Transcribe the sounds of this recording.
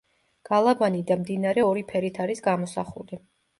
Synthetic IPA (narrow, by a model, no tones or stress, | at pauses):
ɡ̥alˠabanid̪amd̪inaɾɛɔɾipʰɛɾit̪ʰaɾisɡamɔsa̰χuli